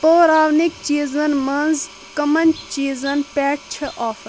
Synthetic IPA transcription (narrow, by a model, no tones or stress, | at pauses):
p̪oːɾaːʋnikt͡ʃiːzɐnmɐnz | kɐmɐnt͡ʃiːzɐnpeːʈ̚t͡ʃʰiʔɔːfɐ